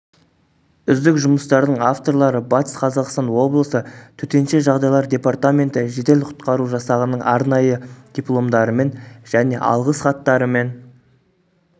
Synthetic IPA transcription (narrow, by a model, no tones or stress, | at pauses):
ʏzd̪ɪkʒʊməst̪ɑɾd̪əɴaft̪o̞ɾlˠɑɾəbɑt̪sqʰɑzɑqst̪ɑnwo̞blˠəsət̪ʰɵt̪e̞nʃe̞ʒɑʁd̪ɑjlˠɑɾd̪ʲe̞part̪amʲe̞nt̪ɪʒe̞t̪e̞lqʰʊ̥t̪qɑɾuʒɑsɑʁənəɴʔɑɾnɑjəd̪̥ʲiplˠo̞md̪ɑɾəme̞nʒ̥æne̞ʔɑ̰lˠʁəsχɑt̪ːɑɾəme̞n